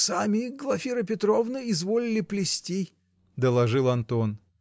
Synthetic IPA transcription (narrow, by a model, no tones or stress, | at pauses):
samʲiɡlˠɐfʲiɾɨpʲɪt̪ɾovnɨɪzvolʲɪlʲɪplʲɪsʲtʲi | d̪əlˠɐʐɨlˠɐnt̪o̞n